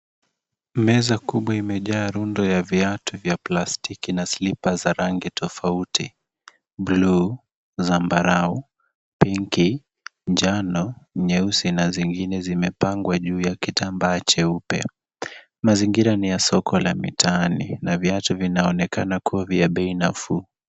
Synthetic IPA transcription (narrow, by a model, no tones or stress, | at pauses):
mɛzakuɓwaimɛʄaːɾundɔjaviatuvjaplastikinasilipazaɾaŋɡitʰɔfauti | blu | zambaɾau | piŋki | ɲd͡ʒanɔɲɛusinaziŋɡinɛzimɛpaŋɡwaʄuːjakitambat͡ʃɛupɛ̰ | maziŋɡiɾanijasɔkʰɔlamḭtʰanḭnaviatuvinaɔnɛkanakuaviaɓɛinafu